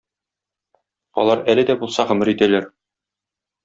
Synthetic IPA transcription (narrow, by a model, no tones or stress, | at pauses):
ɒ̰lˠɑɾælɘ̆d̪æbulˠsɑʁɵ̆mɘɾit̪ælæɾ